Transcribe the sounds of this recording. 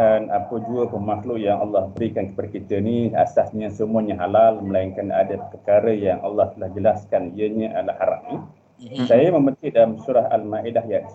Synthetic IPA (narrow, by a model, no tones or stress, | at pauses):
anapəd͡ʒuəpəmahlʊʔjaŋʔa̰lːɑhbəɾikankə̥padakit̪ənia̰sasɲasəmuaɲaɦalalməlaiŋkana̰dapərkaɾəjaŋʔalːɑht̪əlahd͡ʒəlaskaniəɲaʔalahaɾa̰p̚ni | sajamə̃mənt̪idalamsuɾaha̰lmaʔidahjat̪